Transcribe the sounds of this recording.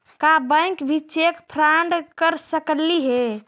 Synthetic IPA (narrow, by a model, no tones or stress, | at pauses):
kabə̃jkbʱit͡ʃekpʰɾaɳɖkəɾsəkliɦe